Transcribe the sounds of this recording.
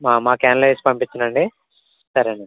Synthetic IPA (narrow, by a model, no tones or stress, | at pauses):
maːmaːkaːnɐlɐjspɐmpit͡ʃːinɐɳɖi | sɐɾɐni